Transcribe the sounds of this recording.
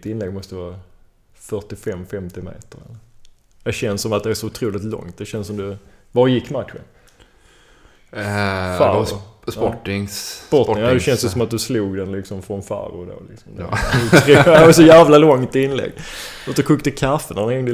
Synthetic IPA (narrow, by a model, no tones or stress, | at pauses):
t̪ɪnlɛɡmɔst̪əvɑːɾa | fœʈɪfɛmfɛmt̪ɪmḛːt̪əɾɛ̰lːə | d̪ɛɕɛnsːɔmat̪̚d̪ɛæʂɔʊt̪ʰɾuːlɪt̪lɔ̰ŋt̪̚d̪ɛɕɛnsːɔmd̪ɵ | vɑɾjɪkːmat̪ɧə̰n | fa̰sɔʈɪŋsspɔɪŋad̪ɛɕɛnsjəsɔmat̪̚d̪ɵsluːɡd̪ɛnlɪksɔmfɾɔnfa̰ɾʊd̪o̰ːlɪ̰ksɔmd̪ɾdɛvsɔjæːvlalɔŋt̪ɪnlɛ̰ɡot̪kʰɵkt̪əkʰafːənanɛŋd̪ə